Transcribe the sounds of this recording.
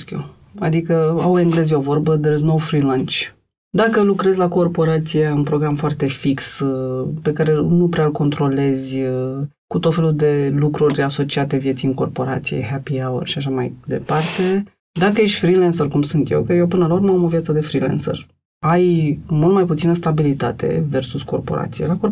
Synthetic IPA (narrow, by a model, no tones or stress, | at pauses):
skʲo | a̰d̪ikəaweŋɡle̞zjovo̞rbəd̪eɾiznowfɾilãnt͡ʃ | d̪akəlukɾe̞zʲlako̞rpo̞ɾat̪sijaunpɾo̞ɡɾamfoart̪e̞fikspe̞kaɾe̞nupɾeaɨlko̞nt̪ɾo̞le̞zʲ | kut̪ot̪fe̞lud̪e̞lukɾurʲaso̞t͡ʃiat̪e̞vjesijɨŋko̞rpo̞ɾa̰t̪sijḛɦapiawə̰rʃiaʃamajd̪e̞part̪e̞ | d̪akəjeʃt̪ʲfɾilensərkumsunt̪jḛwkəjewpɨnəlauɾməamo̞vijat̪səd̪e̞fɾilḛnsə̰r | ajmult̪majput̪sinəst̪abilit̪at̪ʰe̞̰versusko̞̰rpo̞̰ɾa̰t̪sijḛlako